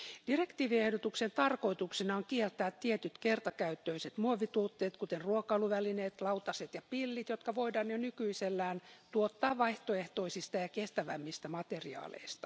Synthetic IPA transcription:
d̥irekt̪iːʋiehdot̪uksent̪ɑrkoit̪uksinɑoŋkielt̪ːˑæːt̪tːiet̪yt̪kert̪ɑkæyt̪ːøiset̪muoʋːit̪uːt̪ːeːt̪kut̪erruokˑɑuluʋælineːt̪lɑuwt̪ɑset̪jɑpilːit̪jot̪kɑʋoidɑːnjonykyiselːæːnt̪uot̪ːɑːʋɑiht̪oeht̪oisist̪ɑjɑkest̪æʋæmːist̪æmɑt̪eriɑ̰ːlḛist̪ɑ̥

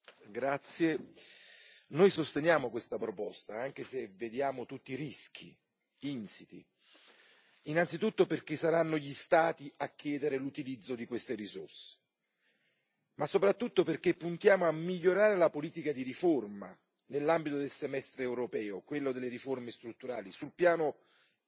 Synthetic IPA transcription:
ɡɾat̪sːje | nojsost̪enjaːmokwest̪apɾopɔst̪aaŋk̟eseved̪jaːmot̪ut̪ːiɾisk̟ʰḭ | int̪sit̪ḭ | inant̪sit̪ut̪ːoperk̟esːaɾanːoʎist̪aːt̪iakːjɛːd̪eɾelut̪ilid̪zːod̪ikwest̪eɾiso̰rse̥ | masːopɾat̪ːut̪ːoperk̟epːunt̪jaːmoamːiʎːoɾaːɾelapoliːt̪ikad̪iɾiforma̰ | nelːambit̪od̪elsemɛst̪ɾeːwɾopɛːokwelːod̪elːeɾiformest̪ɾut̪ːuɾaːlisulpjaːno

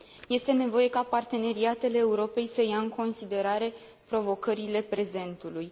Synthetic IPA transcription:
je̞st̪e̞ne̞vo̞je̞kapart̪e̞ne̞ɾiat̪e̞le̞ːuɾo̞pe̞jsəjaɨŋko̞nsid̪e̞ɾaɾe̞ | pɾo̞vo̞kəɾile̞pɾe̞ze̞nt̪uluj

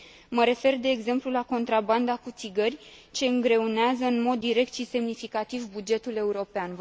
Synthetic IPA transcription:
məɾe̞fe̞rd̪e̞ːɡze̞mplulako̞nt̪ɾaband̪akut̪siɡərʲt͡ʃe̞ɨŋɡɾe̞uneazəɨnmo̞d̪ːiɾe̞k̚t̪ʃise̞mnifikat̪ivbud͡ʒe̞t̪ule̞uɾo̞pean

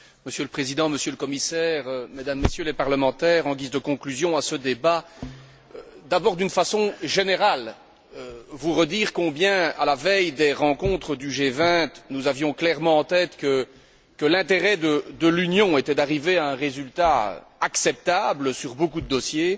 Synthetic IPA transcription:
məsjøləpχezid̪ɑ̃məsjøləkɔmisɛːʁmed̪amːesjølɛpaʁləmɑ̃t̪ɛːʁɑ̃ɡʲizd̪əkɔ̃klyzjɔ̃asəd̪eba | d̪abɔːʁd̪ynfasɔ̃ʒeneʁal | øvuʁəd̪iːʁkɔ̃bjɛ̃a̰lavɛjd̪eʁɑ̃kɔ̃t̪χəd̪yʒevɛ̃t̪nuzavjɔ̃klɛʁmɑ̃ɑ̃t̪ɛt̪kə | kəlɛ̃t̪eʁɛd̪əd̪əlynjɔ̃et̪ɛd̪aʁiveaɛ̃ʁezylt̪aø̰aksɛp̚t̪abləsyʁbokud̪əd̪ɔsje

